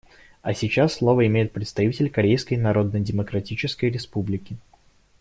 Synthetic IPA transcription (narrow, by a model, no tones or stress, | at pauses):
ɐsʲɪt͡ɕasːlˠo̞vəɪmʲejɪt̪̚pɾʲɪt̪st̪ɐvʲitʲɪlʲkɐɾʲejskəjnɐɾo̞d̪nədʲɪməkɾɐtʲit͡ɕɪskəjɾʲɪspublʲɪkʲɪ